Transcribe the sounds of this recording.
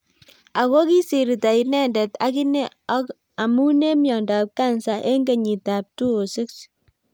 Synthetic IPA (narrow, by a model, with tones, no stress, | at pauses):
a˨ko˦ki˦si˨ɾi˨ta˨inɛ˦ndɛ˨ta˦ki˦ne˦ | ɔ˦k | a˨mu˦ne˦mjɔ˨nda˨p̚ka˦nsa˨ʔe˦ŋɡe˨ɲi˨ta˨p̚tu˦o˨sɪ˦ks